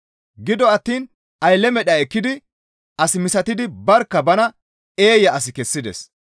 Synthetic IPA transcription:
ɡɪd̪ɔɐt̪ːiːn | ɐjlːɛmɛɗɐɛkːɪd̪ɪ | ʔɐsɪmɪsɐt̪ɪd̪ɪbɐɾkːɐbɐnɐ | e̞ːjɐɐsɪkɛsːɪd̪ɛ̰s

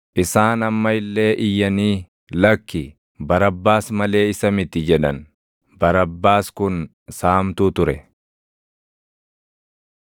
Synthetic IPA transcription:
ʔɪsaːnɐmːɐɪlːe̞ːʔɪjːɐniː | lɐkːɪ | bɐɾɐbːaːsmɐle̞ːɪsɐmɪt̪ːɪd͡ʒɛᶑɐn | bɐɾɐbːaːskʊn | saːmt̪uːt̪ʊɾɛ

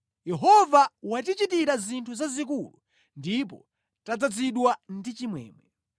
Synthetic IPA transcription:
jɛɦɔvawatit͡ʃitiɾazintʰuzazikulṵ | ndipɔ̰ | tad͡zad͡ziɗwandit͡ʃimwɛ̰ːmwɛ

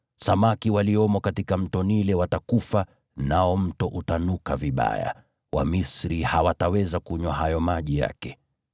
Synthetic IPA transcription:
samakiwaliɔmɔkatikam̩tɔnilɛwatakufa | naɔm̩tɔʔutanukaviɓa̰ja̰ | wʔa̰misɾihawatawɛzakuɲwaɦajɔmaʄija̰kɛ

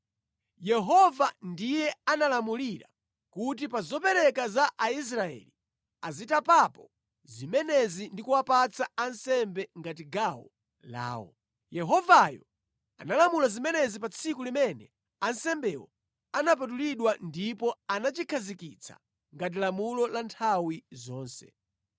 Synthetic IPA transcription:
jɛɦɔvandijɛanalamuliɾa̰ | kut̬ipazɔpɛɾɛkazaʔːis̬ɾaɛ̰li | azitapapɔ | zimɛnɛzindikuwapat͡sʰaːnsɛmbɛŋɡatiɡawɔ̰ | la̰ːwɔ̰ | jɛɦɔvajɔ | a̰nalamulazimɛnɛzipat͡sʰikulimɛnɛ | ansɛmbɛwɔ̰ | anap̬at̬uliɗwandipɔanat͡ʃikʰazikit͡sʰa̰ | ŋɡat̬ilamulɔlantʰawizɔːnsɛ̰

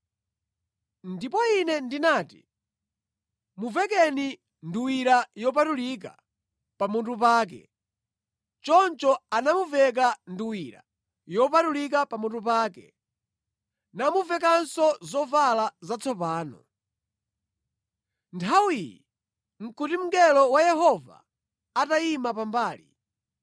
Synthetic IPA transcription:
ndipɔinɛndinaːtḭ | muvɛk̬ɛni | nduwiɾajɔp̬atulik̬a̰ | pamuntup̬aːk̬ɛ̰ | t͡ʃɔnt͡ʃɔanamuvɛk̬anduwiɾa̰ | jɔp̬atulik̬apamuntupaːkɛ̰ | namuvɛkansɔzɔvalazat͡sʰɔpaːnɔ̰ | ntʰawijḭ | ŋ̩kutim̩ɡɛlɔwajɛɦɔva̰ː | taimapambaːlḭ

